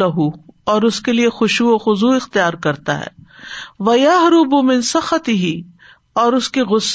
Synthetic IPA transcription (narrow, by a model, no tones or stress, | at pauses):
ɐɦuɔːɾʊskeliexʊʃuoxʊzuɪxt̪ijaːɾkɐɾt̪a̰ɦɛ̰ːʋɐjɐɦɾʊbʊmɪ̃nsɐxɐt̪ɪɦi | ɔːɾʊskiɣʊsː